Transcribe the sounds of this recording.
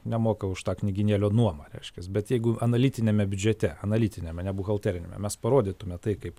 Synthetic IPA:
nʲɛmoːkɐʊʃt̪ɑːknʲɪɡʲɪnʲeːlʲoːnuɔmɐɾʲɛɪʃʲkʲɛsbʲɛt̪jɛɪɡʊʔɐnɐlʲiːt̪ʲɪnʲemʲɛbʲʊd͡ʒʲɛt̪ʲɛɐnɐlʲiːt̪ʲɪnʲemʲɛnʲɛbʊɣɐlˠt̪ʲæːɾʲɪnʲḛːmʲɛ̰mʲɛspɐɾoːd̪ʲiːt̪ʊmʲɛt̪ɐɪkɐɪp

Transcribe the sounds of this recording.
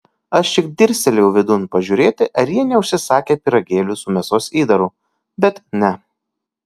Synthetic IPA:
ɐʃt͡ʃʲɪkd̪ʲɪɾʲsʲɛlʲjɛʊʋʲɪd̪ʊnpɐʒʲʊːɾʲeːt̪ʲɪʔɐɾjiɛnʲɛʊʃʲsʲɪsɑːkʲeːpʲɪɾɐɡʲeːlʲʊsʊmʲɛsoːsiːd̪ɐɾʊː | bʲɛt̪nʲɛ

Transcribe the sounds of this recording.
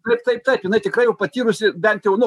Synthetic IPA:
t̪ɐɪpt̪ɐɪp̚t̪ɐɪpjɪnɐɪt̪ʲɪkɾɐɪjɛʊpɐt̪ʲiːɾʊsʲɪbʲɛnt̪jɛʊnʊ

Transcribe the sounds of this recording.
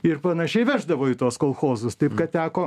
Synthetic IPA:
ɪrpɐnɐʃʲɛɪʋʲæːʒd̪ɐʋoːɪt̪oɔskoːlˠxoːzʊst̪ɐɪpkɐtt̪ʲæːkoː

